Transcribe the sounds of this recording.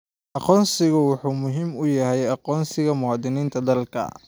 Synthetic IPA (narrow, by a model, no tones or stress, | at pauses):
ʔɑqɔːnsɪɣʊwʊħuːmʊɦiːmʊjɐɦɛjɑqɔːnsɪɣɐmʊhɑd̪ɪniːnt̪ʰɐd̪ɐlkʰɐ̰